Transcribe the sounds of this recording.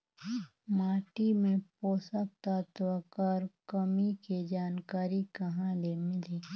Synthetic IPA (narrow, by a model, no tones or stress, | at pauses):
maːʈimẽpoːsəkt̪at̪ʋakaːɾkəmiked͡ʒaːnkaːɾikɐɦãlemɪle